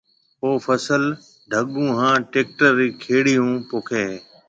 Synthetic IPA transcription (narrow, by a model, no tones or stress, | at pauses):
oːfəsəl | ɖʱəɠũːɦãːʈeːk̚ʈəɾiːkʰeːɽijũːpoːkʰeː